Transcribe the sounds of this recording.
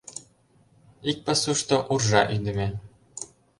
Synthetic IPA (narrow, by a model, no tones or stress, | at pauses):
ik̚ʲpɘ̆suʂt̪ɤ̆ʔurʐɑʔynʲd̪ɘ̆mʲenʲ